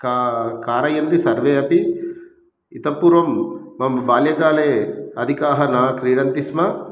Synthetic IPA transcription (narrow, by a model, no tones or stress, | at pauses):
kakaːɾɐjɐnt̪isɐɾʋeːɐpi | it̪ɐpːuːɾʋɐmːɐmbaːljɐɡaːleːɐd̪ʱikaːɦɐnaːkɾiːɽɐnt̪ismɐ